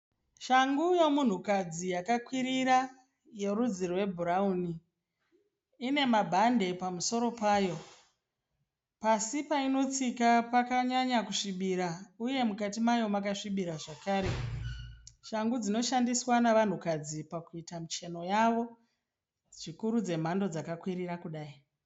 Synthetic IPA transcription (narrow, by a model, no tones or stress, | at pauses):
ʃaŋɡujo̞mun̤ukad͡zijakakwiɾiɾa | je̞ɾud͡zirwe̞bʱuɾauni | ne̞mabʱande̞pamuso̞ɾo̞paːjo̞ | pasipaino̞t͡sikapakaɲaɲakuʂiɓiɾauje̞mukatimajo̞makaʂiɓiɾaʐakaːɾe̞ | ʃaŋɡud͡zino̞ʃandiswanaʋan̤ukad͡zipakuitamut͡ʃe̞no̞jaʋo̞ | ʐ̥ikuɾud͡ze̞m̤ando̞d͡zakakwiɾiɾakuɗaːi